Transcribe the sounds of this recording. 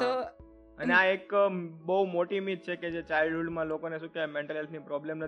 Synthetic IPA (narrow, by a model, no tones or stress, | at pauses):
t̪o | əneaekbəɦumoʈimit̪̚t͡ʃʰeked͡ʒet͡ʃailɖɦuɖmãlokoneʃũkeemẽɳʈəlɦelpʰnipɾɔblemnə